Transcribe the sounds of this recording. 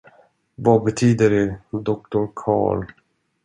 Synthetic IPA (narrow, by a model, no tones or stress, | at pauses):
vabɛt̪ʰyːd̪əɖɛd̪ɔk̚t̪ʊɾkʰɑ̰ːɭ